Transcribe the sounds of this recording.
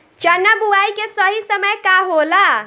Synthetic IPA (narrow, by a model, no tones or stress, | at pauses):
t͡ʃənːəbuaikesəɦisəməjkaɦola